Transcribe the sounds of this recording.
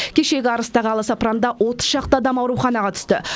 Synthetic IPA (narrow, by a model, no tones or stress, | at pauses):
kʲʰe̞ʃe̞ɡʲɪɑɾəst̪ɑʁəɑlˠəsɑprand̪ɑwo̞t̪ə̥sʃɑq̚t̪ɑɑd̪ɑmɑwɾuχɑnɑʁɑt̪ʰʏ̥st̪ɪ